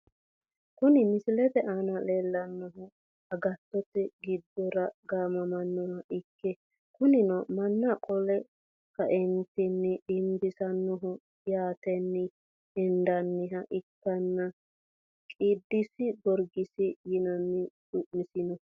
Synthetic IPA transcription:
kʊnɪmɪsɪlɛt̪ɛʔanɐleːlːɐnːɔɦʊ | ɐɡɐt̪ːɔt̪ɛɡɪd̪ːɔɾɐɡaːmɐmɐnːɔhɐʔɪkːɛ | kʊnɪnɔmɐnːɐkʼɔlɛ | kɐʔɛnt̪ɛnːɪɪmbɪsɐnːɔɦʊ | jaːt̪ɛnːɪ | ɛnd̪ɐnːɪɦɐʔɪkːɐnːɐ | kʼɪd̪ːɪsɪɡɔɾɡɪsɪjɪnɐnːɪᶑʊʔmɪsɪnɔ

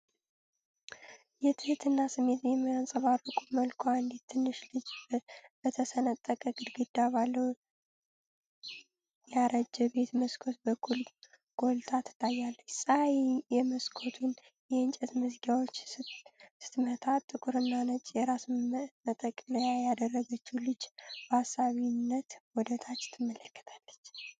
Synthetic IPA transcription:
jɛt̪ʰɨhɨt̪ʰɨnːasɨmːe̞t̪zɛməjansʼəβarəkʼuməlkʰoand̪it̪t̪ʰːɨnːɨʃlɨd͡ʒbət̪ʰəsənət̪ʼːəkʼəɡɨd̪ɡɨd̪aβalːəw | jaɾəd͡ʒːɛbe̞t̪məskʰot̪bəkʰːul | ɡ̥o̞lt̪ʰat̪ʰːɨ̥t̪ʼːajːalːət͡ʃːsʼajɛməskʰot̪ʰun | jɛɨnt͡ʃʼɛt̪mɨzɡawot͡ʃː | sɨ̥t̪mət̪ʰat̪ʼːɨkʼuɾɨnːanət͡ʃʼjɛɾasmət̪ʼəkʼːləjajad̪ərːəɡət͡ʃːulɨd͡ʒbhasːaβinːət̪wɔd̪ət̪ʰat͡ʃːt̪ʰɨmːələkːə̥t̪ʰḁlːət͡ʃː

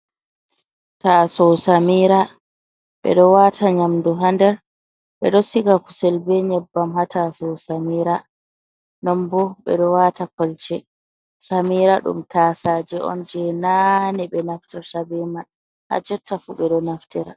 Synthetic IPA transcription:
tasɔsamiːɾa | ɓɛ̰ɗɔwataɲamduɦandɛɾ | ɓɛ̰ɗɔsiɡaku̥sɛlbɛɲɛbːamhatasɔwsamiːɾa | nɔmbɔɓɛ̰ɗɔwaːtakɔlt͡ʃɛ | samiːɾaɗṵmtʰasad͡ʒɛʔɔ̰nd͡ʒɛnaniɓɛnaftɛɾsabɛman | ha̰d͡ʒɛtːafuɓɛɗɔnaftɛɾa

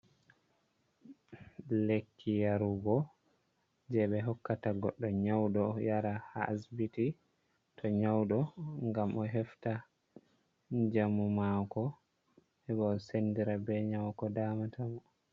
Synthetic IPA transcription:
lekʰːijaɾuɡɔ | d͡ʒɛɓɛɦɔkːataɡɔɗːɔɲawɗɔjaɾahasbiti | tʰɔɲawɗɔŋɡamʔɔɦɛfta | d͡ʒamumakɔ | ɛɓaːsendiɾabɛɲawkɔdamatʰamɔ

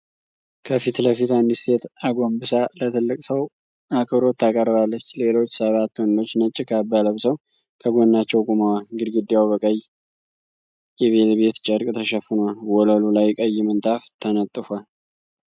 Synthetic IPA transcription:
kʰəfit̪ləfit̪and̪ist̪ʰe̞t̪aɡo̞mbɨsalət̪ʰɨlːɨkʼsəw | akʰʼɨβɾo̞t̪ʰːakʼərβalːət͡ʃːle̞lo̞t͡ʃːsəβat̪ːwond̪o̞t͡ʃːnət͡ʃʼːɪkʰabːaləβsəw | kʰəɡʷonːat͡ʃːɛwkʼumawalɡɨd̪ɡɨd̪ːjawbəkʼəjː | jɛβe̞t̪be̞t̪t͡ʃʼəɾkʼt̪ʰəʃɛfːɨnəwalwɔləlulajkʼəjːɪmənt̪ʼaft̪ʰənət̪ʼːɨfwal

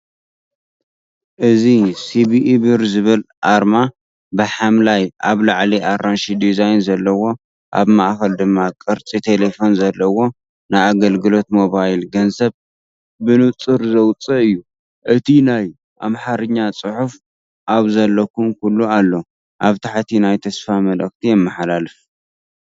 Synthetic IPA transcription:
ʔɨzisibibɨɾzɨβɨlʔaɾma | bɨħamlajʔaβlaʕliʔaɾanʃid̪izajnzɐlːɐwo̞ | ʔa̰βmaʔxɐld̪ɨmːakʼɨɾt͡sʼit̪ʰe̞lefo̞nzɐlːɐwo̞ | najaɡɐlɡɨlo̞t̪mo̞βajlɡɐnzɐβ | bɨnɨt͡sʼɨɾzɐwt͡sʼɐɨjːu | ʔɨt̪ʰinaj | ʔamħaɾɨɲːat͡sʼɨħuf | ʔaβzɐlːɐkʰumkulːualːo | ʔaβt̪ʰaħt̪ʰinajt̪ʰɐsfamɐlɐkt̪ʰijɛmːɐħalalɨf

